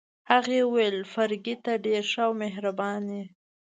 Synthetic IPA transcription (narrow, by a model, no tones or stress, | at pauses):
haɣewejlfaɾɡit̪aɖeɾʃawmeɦɾabɑni